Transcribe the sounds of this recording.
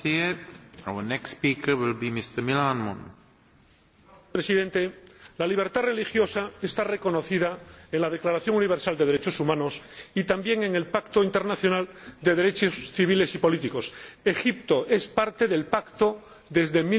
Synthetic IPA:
i | awənɛksspikʰə˞wɪlˠbimɪst̪əmilanmɔ̰̃n | pɾesiðẽ̞nt̪e̞laliβ̞e̞ɾt̪are̞lixjo̞saest̪are̞ko̞no̞θiðaenlað̞e̞klaɾaθjo̞ŋuniβ̞e̞ɾsald̪eðeɾet͡ʃo̞sumãno̞sit̪ambje̞ŋe̞ŋe̞lpakt̪oint̪eɾnaθjonald̪e̞ðe̞ɾe̞t͡ʃosθiβ̞ile̞sipo̞lit̪iko̞se̞xip̚t̪o̞ʔe̞spaɾt̪e̞ðe̞lpakt̪o̞ | ðe̞zðe̞mi

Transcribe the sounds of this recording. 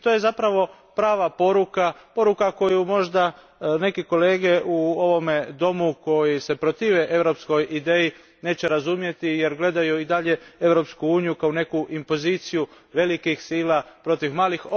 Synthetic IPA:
t̪oːje̞zapɾaʋo̞ | pɾaːʋapo̞ɾukapo̞ɾukako̞jumo̞ʒd̪a | ne̞kiko̞leːɡe̞ʔuo̞ʋo̞me̞d̪o̞muko̞jise̞pɾot̪iːʋeʔe̞ʋɾo̞psko̞jʔid̪e̞ːji | ne̞ːt͡ɕe̞ɾazumje̞t̪ije̞ɾɡle̞d̪ajuid̪aʎe̞e̞ʋɾo̞pskuuːnijukaune̞kuʔimpo̞ziːt̪siju | ʋe̞likixsiːlapɾo̞t̪iʋmaːlix

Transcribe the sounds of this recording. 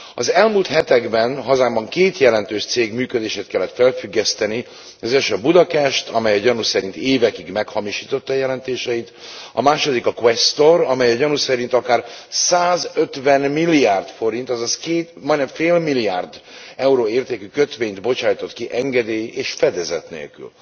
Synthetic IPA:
ɒzɛlmuːlt̪hɛt̪ɛɡbɛnɦɒzaːmbɒŋkeːt̪jɛlɛnt̪øːʃt̪seːɡmyːkød̪eːʃeːt̪kɛlːɛt̪fɛlfyɡːɛst̪ɛni | ɒzɛʃøbud̪ɒpɛʃt̪ʰɒmɛjɒɟɒnusɛɾint̪eːvɛkiɡmɛkhɒmiʃiːt̪o̞t̪ːɒːjɛlɛnt̪eːʃɛjit̪ | ɒ̰maːʃo̞d̪ikɒkwɛst̪orɒmɛjɒɟɒnusɛɾint̪ɒkaːrsaːzø̞t̪ʋɛnmilːiaːrt̪fo̞ɾint̪ɒzɒskeːt̪mɒjnɛɱfeːlmilːijaːrd̪ɛuɾoːeːrt̪eːkykø̞t̪ʋeːɲd̪bo̞t͡ʃaːjt̪o̞t̪kiʔɛŋɡɛd̪eːjeːʃfɛd̪ɛzɛt̪nḛːlky̰l

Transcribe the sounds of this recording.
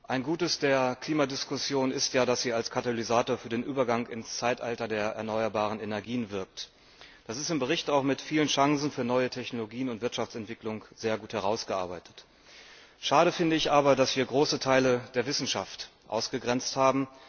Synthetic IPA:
ʔaɪnɡuːtəsd̥eːɐkʰl̥iːmadɪskʊsjoːnɪstjaːdasz̥iːalskʰataloʁizaːtoːɐfyːɐdeːnʔyːbɐɡaŋɪnst͡saɪtʔaltɐdeːɐʔɛ̰ɐnɔʏɐbaːʁ̞ənenɛɐɡiːənvɪɐk̚t | d̥asɪstɪmbəʁ̞ɪçtaʊxmɪtfiːlənʃaŋzn̩fyːɐnɔʏətʰɛçnoloɡiːənʊntv̥ɪɐtʃaft͡sɛntv̥ɪklʊŋz̥eːɐɡuːthɛʁaʊsɡ̥əʔa̰ɐbaɪtʰə̥t | ʃaːɾəfɪndəɪçʔaːbɐdasv̥iːɐɡʁoːsətʰaɪləd̥eːɐvɪsn̩ʃaft | ʔa̰ʊsɡ̥əɡʁɛnt͡sthaːbm̩

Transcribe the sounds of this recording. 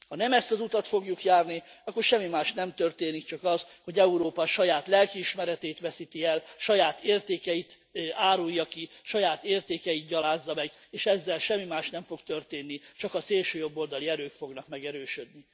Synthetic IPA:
hɒnɛmɛst̪ɒzut̪ɒt̪fo̞ɡjukjaːrniɒkːo̞rʃɛmːimaːʃnɛmt̪ø̞rt̪eːnikt͡ʃɒkɒzho̞ɟɛuɾoːpɒʃɒjaːt̪lɛlkiːʃmɛɾɛt̪ɛːjt̪ʋɛsit̪iɛlʃɒjaːt̪eːrt̪eːkɛit̪ | aːɾujːɒkiʃɒjaːt̪eːrt̪eːkɛjit̪̚ɟɒlaːzːɒmɛɡeːʃɛzːɛlʃɛmːimaːʃnɛɱfo̞kt̪ø̞rt̪eːnːit͡ʃɒkɒseːlʃøːjo̞bːo̞ld̪ɒliɛɾøːkfo̞ɡnɒkmɛɡɛɾøːʃød̪ni

